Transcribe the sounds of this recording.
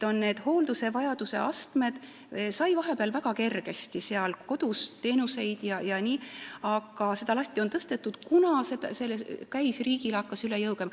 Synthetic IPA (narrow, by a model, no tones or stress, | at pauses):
o̞nne̞ːd̪̥ho̞ːld̪̥use̞vɑjɑd̪use̞̰ʔɑst̪me̞d̪̥ | sɑjvɑɦe̞peɑlvæɡ̥ɑke̞rɡ̥e̞st̪ise̞ɑlko̞d̪̥ust̪ːe̞ːnuse̞jd̪̥jɑjɑnʲiːɑɡ̥ɑse̞d̪ɑlɑsʲt̪ˑio̞nt̪ɤst̪e̞t̪ːˑud̪̥kunɑsed̪se̞lːekæjsriːɡ̥ilɑkːɑsyle̞jɤwɡ̥emɑ